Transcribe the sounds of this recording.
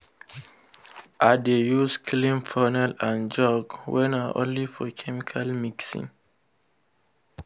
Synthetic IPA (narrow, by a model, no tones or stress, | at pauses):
ʔadejuskʰlĩmfanɛlãnd͡ʒɔɡwɛ̃naʔõ̰nlifɔkʰɛmikʰalmiksḭ̃ŋ